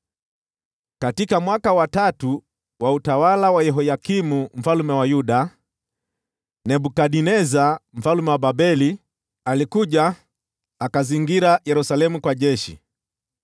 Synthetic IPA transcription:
katikamwakawatatu | wautawalawajɛɦɔjakimum̩falumɛwajuɗa | nɛɓukaɗinɛzam̩falumɛwaɓabɛli | alikuʄa | akaziŋɡiɾajɛɾusalɛmukwaʄɛʃḭ

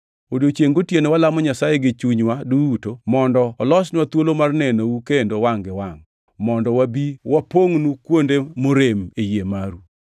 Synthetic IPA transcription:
odot͡ʃjeŋɡotjenewalamɔɲasajeɡɪt͡ʃuɲwaduutomɔndɔːlɔsnwat̪wolomarnɛnoukendowaŋɡɪwaŋ | mɔndɔwabiwapoŋnukwondemoɾemejemaɾu

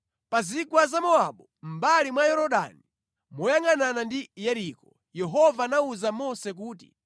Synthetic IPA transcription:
pazikwazamɔaɓɔm̩balimwajɔɾɔɗa̰ni | mɔjaŋananandijɛɾikɔ | jɛɦɔvaːnauzamɔsɛk̬uːt̬ḭ

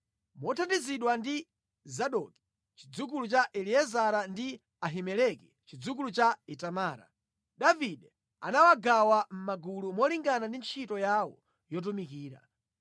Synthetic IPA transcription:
mɔtʰatiziɗwandi | zaɗɔki̥ | t͡ʃi̥d͡zuk̬ulut͡ʃaʔɛliɛzaɾandi | aɦimɛlɛki | t͡ʃid͡zuk̬ulut͡ʃaitamaːɾa̰ | ɗaviɗɛ | a̰nawaɡawam̩maɡulumɔliŋɡanandint͡ʃʰitɔjawɔ̰ | jɔt̬umikiːɾa̰

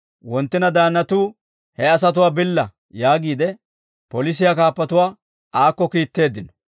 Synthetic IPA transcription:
wɔnt̪ːɪnɐd̪aːnːɐt̪uː | hɛɐs̬ɐt̪̬ʊwaːbɪlːɐ | jaːɡiːd̪ɛ | pɔlɪs̬ɪjakaːpːɐt̪ʊwaː | aːkːɔkiːt̪ːe̞ːd̪ːɪnɔ̥

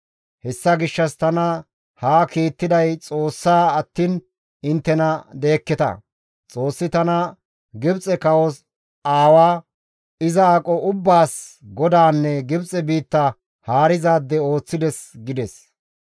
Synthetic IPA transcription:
hɛsːɐɡɪʃːɐst̪ɐnɐ | haːkiːt̪ːɪd̪ɐjt͡sʼo̞ːsːaːɐt̪ːiːn | ɪnt̪ːɛnɐd̪e̞ːkːɛt̪ɐ̰ | t͡sʼo̞ːsːɪt̪ɐnɐ | ɡɪbt͡sʼɛkɐwɔs | aːwaː | ɪzɐaːkʼɔʔʊbːaːsɡɔd̪aːnːɛɡɪbt͡sʼɛbiːt̪ːɐ | haːɾɪzaːd̪ːɛo̞ːt͡sːɪd̪ɛsɡɪd̪ɛs

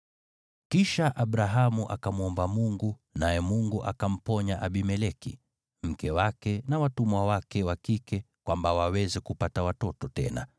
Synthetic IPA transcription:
kiʃaʔaɓɾaɦamuʔa̰kamuɔmbamuŋɡu | najɛmuŋɡuʔa̰kam̩pɔɲaʔaɓimɛlɛkḭ | m̩kɛwakɛnawatumwawakɛwakikɛ | kwambawawɛzɛkupatawatɔtɔtɛ̰na̰

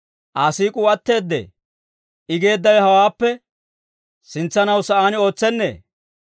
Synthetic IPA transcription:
ʔaːsiːkʼʊɐt̪ːe̞ːd̪ːḛː | ʔɪɡe̞ːd̪ːɐwɛhɐwaːpːɛ | sɪnt͡sːɐnɐwsɐʔaːnɪo̞ːt͡sːɛnːe̞̰ː

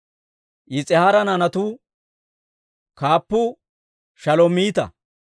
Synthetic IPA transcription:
ʔɪt͡sʼɛhaɾɐnɐnɐt̪ʊ | kaːpːʊ | ʃɐlɔmiːt̪ɐ̰

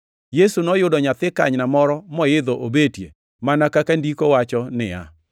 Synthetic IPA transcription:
jesunɔjʊdɔɲat̪ɪka̰ɲnamɔɾɔmɔjɪd̪ɔʔobetje | manakakandikowat͡ʃɔnɪ̰a̰

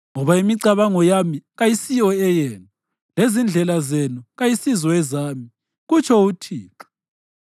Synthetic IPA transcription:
ŋɔβaimiǀaβaŋɔjamiɣajisijɔɛjɛːna | lezind͡ɮʱɛlazenuɣajisizɔɛzaːmi | ɣut͡ʃʰʼɔutʰiːǁḁ

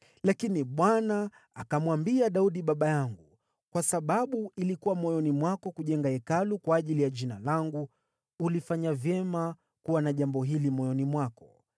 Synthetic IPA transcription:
lakiniɓwanaː | kamwambiaɗauɗiɓaɓajaŋɡu | kwasaɓaɓuilikuwamɔjɔnimwakɔkuʄɛŋɡaɛkalukwaːʄilijaʄinalaŋɡu | ulifaɲavjɛma | kuwanaʄambɔɦilimɔjɔnimwakɔ

